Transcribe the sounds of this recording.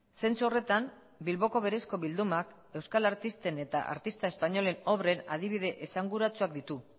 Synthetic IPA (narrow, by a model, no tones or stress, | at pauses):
se̞nt͡suo̞re̞t̪am | bilβo̞ko̞βe̞ɾe̞sko̞βild̪umak | e̞wskalaɾt̪ist̪e̞ne̞t̪a̰ʔa̰ɾt̪ist̪ae̞spaɲo̞le̞no̞βɾe̞nað̞iβ̞ið̞e̞ʔesaŋɡuɾat͡suakd̪it̪u